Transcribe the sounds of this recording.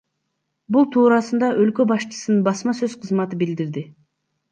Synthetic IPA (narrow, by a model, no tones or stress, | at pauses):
bulˠt̪ʰuːɾɑsɯnd̪ɑʔølkø̞bɑʃt͡ʃɯ̥sɨnɯnbɑsmɑsøzqʰəzmɑt̪ɯbild̪iɾd̪ɪ